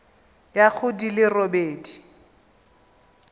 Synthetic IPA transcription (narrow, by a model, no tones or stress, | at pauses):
jak͡xʰʊdilɪrobeːdi